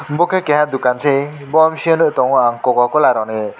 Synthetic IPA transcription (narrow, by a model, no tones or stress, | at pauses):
mbɔkʰekɛɦãd̪ukansʰe | bɔmsiənɯʔtɔŋaŋkɔɡɔkɔlaɾɔne